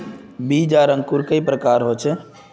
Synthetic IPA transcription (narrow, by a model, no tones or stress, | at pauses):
bid͡ʒaɾə̃ŋɡkuɾkəipɾəkaɾɦot͡ʃʰɛ